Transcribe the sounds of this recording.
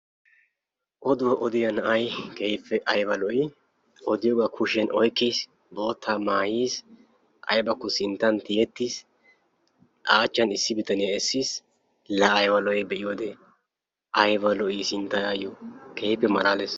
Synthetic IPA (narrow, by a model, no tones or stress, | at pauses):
ʔɔd̪ʊwɔʔɔd̪ɪjɐnɐʔɐjkɛjpʰːɛʔɐjbɐlɔʔɪ | ɔd̪ɪjɔːɡakʰʊʃɛnʔɔjkːis | bo̞ːt̪ʰːaːmaːjiːs | ʔɐ̰jbɐkːɔsɪnt̪ːɐnt̪ɪjɛt̪ːis | ʔaːt͡ʃːɐnɪsːɪbɪt̪ɐnɪjɐɛsːis | lɐːjbɐlɔɛbɛʔɪjoːd̪ɛ | ʔɐjbɐlɔʔisɪnt̪ːɐjajukʰejpːɛmɐlaːles